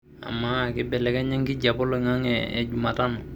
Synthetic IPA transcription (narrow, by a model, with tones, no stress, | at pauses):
a̰˨maː˨kɪ˦bɛ˨lɛ˨kɛ˦ɲɛ˦ŋki˦ɟa˨bɔ˦lɔŋa˦ŋɛ̰ː˨d͡ʒuma˨ta˦nɔ˨